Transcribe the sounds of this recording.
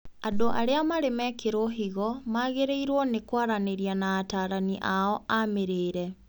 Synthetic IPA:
adoʔa̰ɾeamaɾemɛkeɾoɦiɣɔmaɣeɾeiɾwɔnekwaɾaneɾianaːtaɾaniʔaɔameɾeːɾɛ

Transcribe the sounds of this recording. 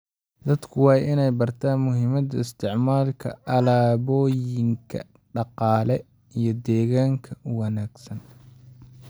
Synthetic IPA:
d̪ɐd̪kʰʊwɑːjʔɪnɛjbɐrt̪ʰaːnmʊɦɪmɐd̪ɐɪst̪ʰɪʕmaːlkʰɐ̰ɐlaːβɔːjɪŋkʰɐ̰ | ɖɑqɑːlɛ | ijɞd̪ɛːɣaːŋkʰɐwɑnaːɡsɐn

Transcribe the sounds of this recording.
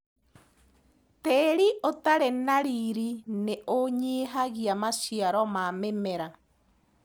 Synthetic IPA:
teɾiʔotaɾenaɾiɾineʔoɲiːɦaɣiamasiaɾɔmamemɛɾa

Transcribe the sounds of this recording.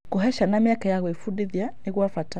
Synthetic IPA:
kuɦɛʃanamiakajaɣɔifuɗiðianiɣuwafata

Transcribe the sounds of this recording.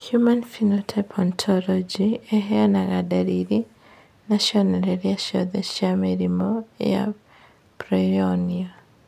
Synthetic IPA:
hjumanfinɔtʰɛpʰɔntʰɔlɔd͡ʒiɛɦɛanaɣadaɾiɾi | naʃiɔnɛɾɛɾiaʃɔ̰ðɛʃjameɾimɔja̰ | pɾɔɔniɔ

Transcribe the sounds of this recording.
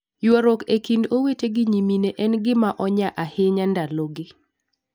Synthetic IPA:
jwoɾokekindoweteɡɪɲimineʔɛnɡɪmaʔɔɲaʔahɪɲandaloɡɪ

